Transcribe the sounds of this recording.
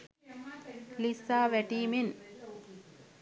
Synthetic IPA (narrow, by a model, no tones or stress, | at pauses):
lisaːʋeʈiːmin